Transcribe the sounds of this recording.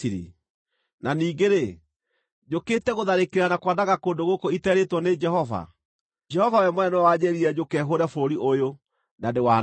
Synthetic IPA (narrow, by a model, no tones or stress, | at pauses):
iɾḭ | naniːɡeɾe | d͡ʑoketɛɣoðaɾekeɾanakwadaɣakoːndoɣokoitɛɾetwɔned͡ʒɛhɔva̰ | d͡ʒɛhɔvawɛmwɛnwad͡ʑɛɾiɛd͡ʑokɛɦoɾafoɾiʔojo | nadewa